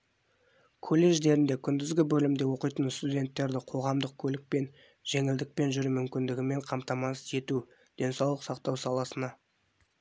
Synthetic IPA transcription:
kʰolːe̞ʒd̪e̞ɾɪnd̪e̞kʲʰʏnd̪ɪzɡʲɪbɵlɪmd̪e̞wo̞qəjt̪ənst̪udʲe̞nt̪ːe̞ɾd̪ɪqʰo̞ʁɑmd̪əq̚kʲʰɵlɪk̚pe̞n | ʒ̥e̞ŋɪld̪ɪk̚pe̞nʒʏɾmʏmkʲɪnd̪ɪɡʲɪme̞ɴqʰɑmt̪ɑmɑə̥se̞t̪u | d̪̥e̞nsɑwlˠəqsɑqt̪ɑwsɑlˠɑsənɑ

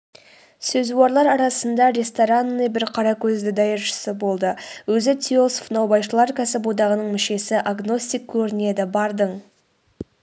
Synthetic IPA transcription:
sɵzuwɑɾlˠɑɾɑɾɑsənd̪ɑɾʲe̞st̪oɾanːəjbɪɾqʰɑɾɑkʲʰɵzd̪ɪd̪ɑjəɾʃə̥səbo̞lˠd̪əwɵzɪt̪ʲʰio̞sfnɑwbɑjʃəlˠɑɾkʲʰæsɪpod̪ɑʁənəɴmɪʃe̞sɪʔaɡno̞st̪ijk̚kʲʰɵɾɪne̞d̪ɪbɑɾd̪əɴ

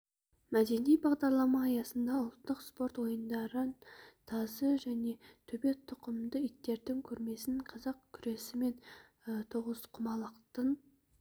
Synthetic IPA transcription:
mæd̪e̞nijbɑʁd̪ɑɾlˠɑmɑːjɑsənd̪ɑʊlˠt̪ːəqspo̞ɾt̪wo̞jənd̪ɑɾənt̪ʰɑzəʒæne̞t̪ʰɵbe̞t̪ʰʊqəmd̪əʏt̪ːe̞ɾd̪ɪŋkʲʰɵɾme̞sɪɴqʰɑzɑq̚kʲʰʏɾe̞sɪme̞n | ət̪ʰoʁəzqʰʊmɑlˠəqt̪ən

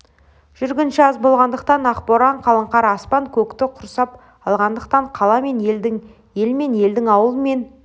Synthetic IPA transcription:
ʒ̥ʏɾɡʲɪnʃɪɑzbo̞lˠʁɑnd̪əq̚t̪ɑnɑqpo̞ɾɑɴqʰɑlˠəɴqɑɾɑspɑŋkʲʰɵkt̪ɪqʰʊɾsɑp | ɑlˠʁɑnd̪əqt̪ɑɴqʰɑlˠɑme̞neld̪ɪŋ | je̞lme̞nje̞ld̪ɪŋɑwəlˠəme̞n

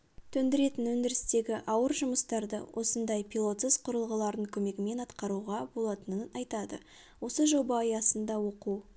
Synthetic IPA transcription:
t̪ʰɵnd̪ɪɾe̞t̪ɪnwɵnd̪ɪɾɪst̪e̞ɡʲɪʔɑwəɾʒʊməst̪ɑɾd̪ə̰wʔo̞sənd̪ɑjpʰʲilˠo̞t̪səz̥qʰʊɾəlˠʁəlˠɑɾəŋkʲʰɵme̞ɡʲɪme̞nɑt̪qɑɾuʁɑbo̞lˠɑt̪ənənɑjt̪ɑd̪ə | wo̞səʒo̞bɑjɑsənd̪ɑwo̞qu

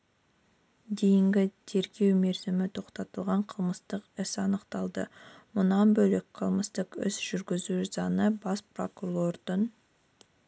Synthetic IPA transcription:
d̪e̞jɪŋɡʲɪt̪ʰe̞ɾɡʲe̞wme̞ɾzɪmɪt̪ʰo̞qt̪ɑt̪əlˠʁɑɴqʰəlˠməst̪əqɪsɑnəqt̪ɑlˠd̪əmʊnɑnbɵlek̚qʰəlˠməst̪əqɪ̰sʒ̥ʏɾɡʲɪzusɑnəbɑspro̞kulˠo̞rd̪ən

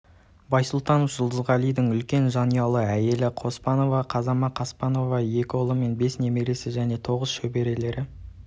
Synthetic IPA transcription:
bɑjsʊlˠt̪ɑnofʒ̥ʊlˠd̪əzʁɑlijd̪ɪŋʏlkʲe̞nʒɑnijɑlˠəæje̞lɪqʰo̞spɑno̞vɑqʰɑzɑmɑqʰɑspɑno̞vɑje̞kʲo̞lˠəme̞nbe̞sne̞meɾe̞sɪʒæne̞t̪ʰo̞ʁəsʃɵbe̞ɾe̞le̞ɾɪ

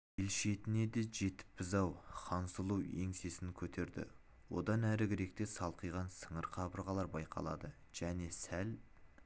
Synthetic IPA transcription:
elʃe̞t̪ɪne̞d̪e̞ʒe̞t̪ɪ̥pːɪzɑwχʰɑnsəlˠuwe̞̰ŋse̞sɪŋkʲʰɵt̪ʰe̞ɾd̪ɪ̰ | wo̞̰d̪ɑnæɾɪɡʲɪɾe̞k̚t̪e̞sɑlˠqəjʁɑnsəɴəɾqʰɑbəɾʁɑlˠɑɾbɑjqʰɑ̰lˠɑ̰d̪ə | ʒ̥æne̞sæl

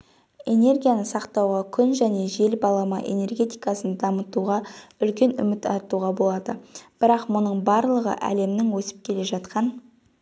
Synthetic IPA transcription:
e̞ne̞rɡʲijanəsɑqt̪ɑwʁɑkʲʰʏnʒæne̞ʒe̞lbɑlˠɑmɑ̰ʔe̞̰ne̞rɡʲe̞t̪ijkɑsənd̪ɑmət̪uʁɑʏlkʲe̞nʏ̰mɪt̪ɑ̰ɾt̪uʁɑbo̞lˠɑd̪əb̥ɪɾɑqmʊnəɴbɑɾlˠəʁə̰ʔæ̰le̞mnɪŋwɵsɪ̥p̚kʲʰe̞le̞ʒɑt̪qɑn

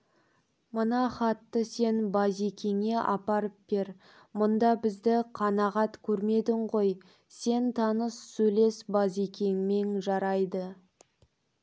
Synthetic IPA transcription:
mənɑχɑt̪ːəse̞nbɑzikʲʰe̞ŋe̞ʔɑpɑɾəp̚b̥eɾ | mʊnd̪ɑbɪzd̪ɪqʰɑnɑʁɑt̪kʲʰɵɾme̞d̪ɪɴʁo̞j | se̞nt̪ʰɑnəsːɵjle̞sbɑzikʲe̞ŋme̞ŋʒɑɾɑjd̪ə

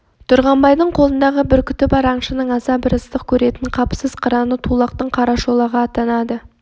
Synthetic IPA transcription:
t̪ʰʊɾʁɑmbɑjd̪əɴqʰo̞lˠənd̪ɑʁəbɪɾkʲʏ̥t̪ɪpɑɾɑɴʃənəɴɑzɑbɪɾəst̪əq̚kʲʰɵɾe̞t̪ɪɴqʰɑpsəzqʰəɾɑnət̪ʰulˠɑqt̪əɴqʰɑɾɑʃo̞lˠɑʁɑːt̪ɑnɑd̪ə

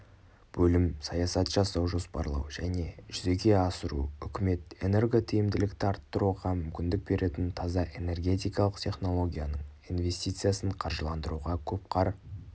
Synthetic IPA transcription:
b̥ɵlɪmsɑjɑsɑt̪ʒ̥ɑsɑwʒo̞spɑ̰ɾlˠɑ̰wʒæne̞ʒʏze̞ɡʲe̞ɑsəɾṵʏkʲɪme̞t̪e̞ne̞rɡot̪ʰijɪmd̪ɪlɪkt̪ɪɑɾt̪ːəɾuʁɑmʏmkʲɪnd̪ɪk̚be̞ɾʔe̞t̪ɪnt̪ʰɑzɑʔe̞ne̞rɡʲe̞t̪ijkɑlˠəqt̪ʲʰe̞χno̞lˠo̞ɡʲijanəɴinve̞st̪ʲijt̪sɨjasəɴqʰɑɾʒəlˠɑnd̪əɾuʁɑkʲʰɵp̚qʰɑɾ

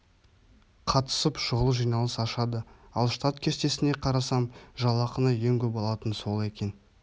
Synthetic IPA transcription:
qʰɑt̪ə̥səpʃʊʁəlˠəʒijnɑlˠəsɑʃɑd̪əɑlˠʃt̪at̪kʲʰe̞st̪e̞sɪne̞qʰɑɾɑsɑmʒɑlˠɑqənɑje̞ŋkʲʰɵpɑlˠɑt̪ənso̞lˠe̞kʲe̞n

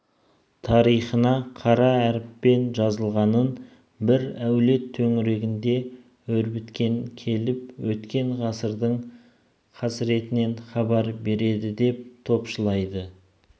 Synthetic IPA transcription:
t̪ʰɑɾijχənɑqʰɑɾɑæɾɪpːe̞nʒɑzəlˠʁɑnən | bɪɾæwle̞t̪ʰːɵŋɪɾe̞ɡʲɪnd̪e̞ | ɵɾbɪt̪kʲe̞ŋkʲʰe̞lɪp̚wɵt̪kʲe̞ɴʁɑsəɾd̪əɴ | qʰɑsɾe̞t̪ɪne̞nχɑbɑɾbe̞ɾe̞d̪ɪd̪e̞p̚t̪ʰo̞pʃəlˠɑjd̪ə

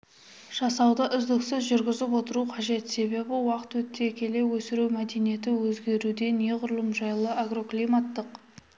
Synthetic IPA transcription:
ʒ̥ɑsɑwd̪əʔʏzd̪ɪksɪzʒʏɾɡʲɪzɪpwo̞t̪əɾuqʰɑʒe̞t̪se̞βe̞bɪwɑqə̥t̪wɵt̪ːekʲe̞lewɵsɪɾuwmæd̪e̞nije̞t̪ɪwɵzɡʲe̞ɾud̪e̞ne̞ʁʊɾlˠəmʒɑjlˠəaɡro̞klʲˠijmat̪ːəq

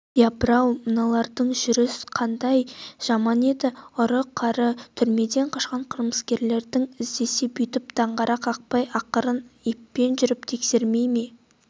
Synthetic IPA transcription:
jabɾɑwmənɑlˠɑɾd̪əɴʒʏɾɪsqʰɑnd̪ɑjʒ̥ɑmɑne̞d̪ɪʊɾəqʰɑɾət̪ʰʏɾme̞d̪e̞ɴqʰɑʃqɑɴqʰəɾməskʲe̞ɾle̞ɾd̪ɪŋɪzd̪e̞sebʏjt̪ɪpd̪̥ɑɴʁɑɾʔɑqɑq̚pɑjɑqəɾənipːe̞nʒʏɾɪpt̪ʰe̞kse̞ɾme̞jme̞

